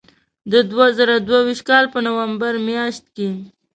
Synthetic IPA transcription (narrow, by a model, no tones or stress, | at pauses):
d̪əd̪wazəɾad̪wawiʃt̪̚kɑlpənawambaɾmjɑʃt̪̚ke